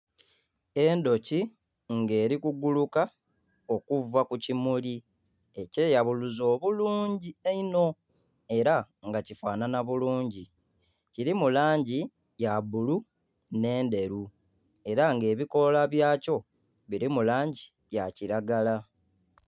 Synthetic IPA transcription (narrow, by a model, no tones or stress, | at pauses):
e̞ndo̞ci | ŋɡe̞ːɾikuɡuluka | o̞kuvakucimuli | e̞ce̞jaβuluzo̞ːβuluːɲɟieino̞ | e̞ɾa | ŋɡacifaːnanaβuluːɲɟi | ciɾimulaːɲɟi | jabulu | ne̞ːnde̞ɾu | e̞ɾaŋɡe̞ːβiko̞laβjaːco̞ | βiɾimulaːɲɟi | jaciɾaɡala